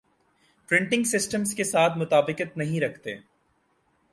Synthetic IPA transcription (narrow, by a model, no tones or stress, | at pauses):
pɾɪ̃ɳʈɪ̃ŋɡsɪsʈəmskesaːt̪ʰmʊt̪aːbɪkət̪nɐɦĩɾɐkʰt̪ḛː